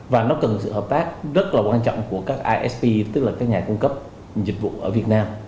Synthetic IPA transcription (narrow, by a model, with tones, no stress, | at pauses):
vaː˨˩nɔ˨˦kə˨˩nsɨ̰˧˨həː˨˩p̚t̪aː˦˥k̚zə˦˥t̚laː˨˩kwaː˧nt͡ɕɔ̰˧˨wŋ͡mku˧˩əkaː˦˥k̚ʔaː˧jʔɛ˦˥spi˧t̪ɨ˦˥k̚laː˨˩kaː˦˥k̚ɲaː˨˩kʊ˧ŋ͡mkə˦˥p̚ | zi˨˩k̟̚vṵ˧˨ʔəː˧˩vi˨˩ət̚naː˧m